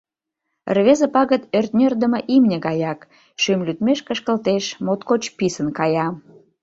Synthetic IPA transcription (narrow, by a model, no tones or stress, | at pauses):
rβezə̆pɑɣət̪ørt̪nʲørd̪ə̆mə̆ʔimnʲĕɣɑjɑk | ʃymlyt̪meʃkəʃkəlt̪eʃmot̪kot͡ɕpisənkɑjɑ